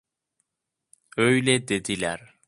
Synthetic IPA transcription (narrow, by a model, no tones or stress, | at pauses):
øjled̪ed̪ilæ̰ɾ